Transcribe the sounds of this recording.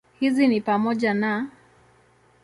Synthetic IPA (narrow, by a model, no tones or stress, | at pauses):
hizinipamɔʄana